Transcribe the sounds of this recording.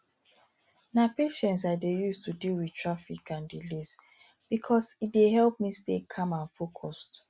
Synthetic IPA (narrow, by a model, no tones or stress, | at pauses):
napeʃɛ̃ntsadejustudilwi̥tʰɹafikʰãndilis | b̥ikʰɔsit̚deɦɛlp̚mistekʰːãmãnfokʰɔst